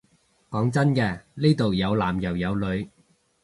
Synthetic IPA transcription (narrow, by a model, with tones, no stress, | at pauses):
kɔː˨˥ŋt͡sɐ˥nkɛː˧le˥jt̪o˨wjɐ˨˧wlaː˨˩mjɐ˨˩wjɐ˨˧wlɵ˨˧ɥ